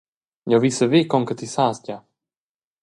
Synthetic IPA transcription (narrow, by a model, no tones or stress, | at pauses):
ɲɔvisəveːkɔŋkət̪isaːsca